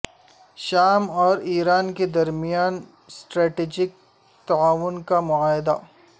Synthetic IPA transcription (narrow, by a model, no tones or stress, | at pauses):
ʃaːmɔːɾiːɾaːnked̪ɐɾmijaːn | sʈɾɛːʈeːd͡ʒɪk̚ | t̪aaːʋʊnkamʊaːɦɪd̪a̰